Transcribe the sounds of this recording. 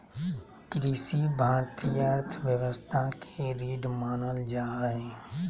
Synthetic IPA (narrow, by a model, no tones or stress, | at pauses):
kɾiːsibʱaːɾt̪ijəɾt̪ʰʋjəʋəst̪ʰakeɾiːɖmaːnəld͡ʒaːɾəɦẽː